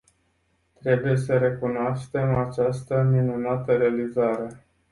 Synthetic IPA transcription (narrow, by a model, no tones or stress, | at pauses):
t̪ɾe̞buje̞səɾe̞kunoaʃt̪e̞mat͡ʃast̪əminunat̪əɾe̞alizaɾe̞